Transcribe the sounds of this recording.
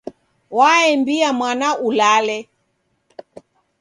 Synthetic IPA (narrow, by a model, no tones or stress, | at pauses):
waɛmbiamwanaulalɛ